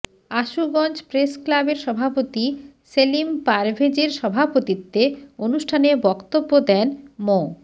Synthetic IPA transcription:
aʃuɡɔnt͡ɕpɾesklabeɾʃɔbʱapot̪iselimpaɾbʱed͡ʑeɾʃɔbʱapot̪it̪ːeonuʃʈʰanebɔkt̪obːod̪ɛnmo

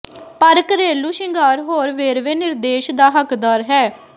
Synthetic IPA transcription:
pəɾkɾeːluːʃɪŋɡaːɾɦoːɾʋeːɾʋeːnɪɾd̪eːʃd̪aːɦəkd̪aːɾɦɛː

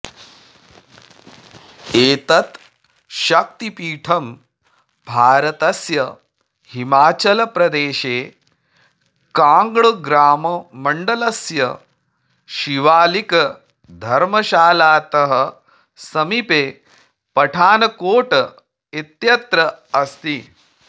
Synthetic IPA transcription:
eːt̪ɐt̪ | ʃɐk̚t̪ipiːʈʰɐm | bʱaːɾɐt̪ɐsjɐ | himaːt͡ʃɐlɐpɾɐd̪eːʃeː | kaːŋɡɭɐɡɾaːmɐmɐɳɖɐlɐsjɐ | ʃiʋaːlikɐ | d̪ʱɐɾmɐʃaːlaːt̪ɐɦɐ̆ | sɐmipeː | pɐʈʰaːnɐkoːʈɐ | et̪jɐt̪ɾɐɐst̪i

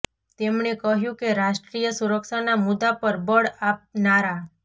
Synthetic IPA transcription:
t̪emɳekəɦjũkeɾaʃʈɾijəsuɾəkʃanamud̪apəɾbəɭap̚naɾa

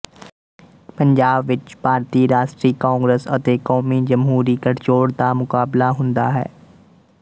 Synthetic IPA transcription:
pɐ̃ɲd͡ʒaːbʋɪt͡ʃbʱaːɾt̪iːɾaːʃʈɾiːkãːŋɡɾesɐt̪ekɔːmid͡ʒɐmɦuːɾikɐʈt͡ʃoːɽt̪amʊkaːblaɦʊ̃nd̪aɦɛ̰ː

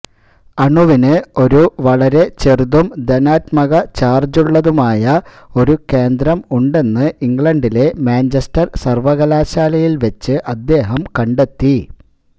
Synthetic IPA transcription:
ɐɳuʋinɨo̞ɾuʋɐɭɐɾe̞t͡ɕe̞ruðumd̪enaːt̪mɐɣɐt͡ɕaːrd͡ʑuɭːɐðumaːjɐ | o̞ɾuke̞ːnd̪ɾɐmuɳɖe̞nːɨʔiŋɡɭɐɳɖile̞maːnd͡ʑɐstɐrsɐrʋɐɣɐlaːɕaːlɐjilʋet͡ɕːɨʔɐd̪ːe̞ːɦɐmkɐɳɖe̞t̪ːi

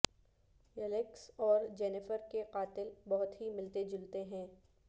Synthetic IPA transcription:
ɛleksɔːɾd͡ʒɛːnɪfəɾkeqaːt̪ɪlbɐɦʊt̪ɦimɪlt̪ed͡ʒʊlt̪eɦɛ̃ː

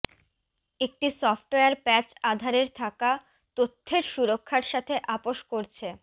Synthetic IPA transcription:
ek̚ʈisɔfʈoeaɾpɛt͡ɕad̪ʱaɾeɾt̪ʰaka | t̪ot̪ʰːeɾʃuɾokʰːaɾʃat̪ʰeʔapoʃkoɾt͡ɕʰe

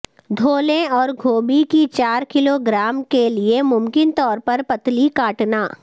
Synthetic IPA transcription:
d̪ʱoːlẽɔːɾɡʱoːbikit͡ʃaːɾkɪloɡɾaːmkeliemʊmkɪnt̪ɔːɾpɐɾpɐt̪likaːʈnaː

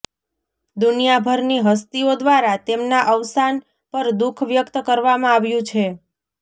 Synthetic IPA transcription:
d̪unijabʱəɾniɦəs̬t̪iod̪ʋaɾat̪emnaʔəʋsan | pəɾd̪ukʰʋjəkt̪əkəɾʋamãaʋjũt͡ʃʰe

